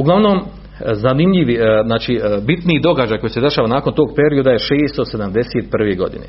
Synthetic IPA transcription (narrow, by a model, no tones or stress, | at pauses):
uɡlaʋno̞m | zanimʎiʋiznaːt͡ʃibit̪niid̪o̞ɡad͡ʒajko̞jised̪e̞ʃaːʋanaːko̞nt̪oːɡpe̞ɾiod̪aje̞ʃeːst̪ose̞d̪amd̪e̞set̪̚pr̩ʋeɡo̞̰d̪ḭnḛ